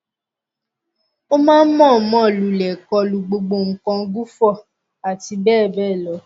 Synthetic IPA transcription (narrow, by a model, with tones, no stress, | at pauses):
o˦mãː˦n̩˦mɔ̃˦˨mɔ̃˦˨lu˨˦lɛ˨kɔ˧lu˨ɡ͡bo˧ɡ͡bo˧˨ŋ̩˨kɔ̃˧ɡu˦fɔ˦˨ | a˨ti˧˦bɛː˦˨bɛː˦˨lɔ˨˦